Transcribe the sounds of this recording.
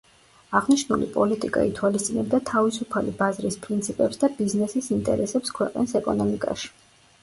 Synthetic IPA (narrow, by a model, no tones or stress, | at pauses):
aʁniʃnulḭpʼɔlit̪ʼikʼa̰it̪ʰwalist̪sʼinɛb̚d̪at̪ʰavisupʰalḭbazɾispʼɾint̪sʰipʼɛpsd̪abiznɛsisint̪ʼɛ̰ɾɛsɛpskʰwɛqʼnisɛkʼɔnɔmikʼa̰ʃi̥